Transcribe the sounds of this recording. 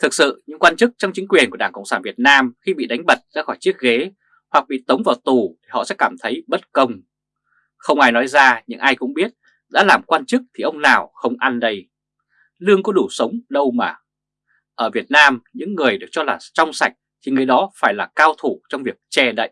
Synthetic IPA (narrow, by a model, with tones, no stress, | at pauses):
t̪ʰɨ˨˩k̚sɨ̰˧˨ɲɨ̰˧˥ŋkwaː˧nt͡ɕɨ˦˥k̚t͡ɕɔ˧wŋ͡mt͡ɕï˨˦ŋkwi˨˩ənku˧˩ɗaː˧˩kə̰˧˨wŋ͡msaː˧˩nvi˨˩ət̚naː˧mxi˧ɓḭ˧˨ɗa˨˦ŋ̟ɓə˨˩t̚za̰ː˧˥xɔ˧˩jt͡ɕi˦˥ək̚ɣe˨˦ | hwa˨˩k̚ɓḭ˧˨t̪ə˨˦wŋ͡mvaː˨˩wt̪u˨˩t̪ʰi˨˩hɔ̰˧˨sɛ̰˧˥kaː˧˩mt̪ʰə˨˦jɓə˦˥t̚kə˧wŋ͡m | xə˧wŋ͡mʔaː˧jnɔ˨˦jzaː˧ɲɨ̰˧˥ŋʔaː˧jkʊ̰˧˥ŋ͡mɓi˦˥ət̚ | ɗa̰ː˧˥laː˨˩mkwaː˧nt͡ɕɨ˦˥k̚t̪ʰi˨˩ʔə˧wŋ͡mnaː˨˩wxə˧wŋ͡mʔa˧nɗə˧j | lɨ˧əŋkɔ˨˦ɗu˧˩sə˨˦wŋ͡mɗə˧wmaː˨˩ | ʔəː˧˩vi˨˩ət̚naː˧mɲɨ̰˧˥ŋːɨ˨˩əjɗɨ˨˩ək̚t͡ɕɔ˧laː˨˩t͡ɕɔ˧wŋ͡msa˨˩jk̟̚t̪ʰi˨˩ŋɨ˨˩əjɗɔ˨˦faː˧˩jlaː˨˩kaː˧wt̪ʰu˧˩t͡ɕɔ˧wŋ͡mvi˨˩ək̚t͡ɕɛ˧˩ɗə̰˧˨ʔ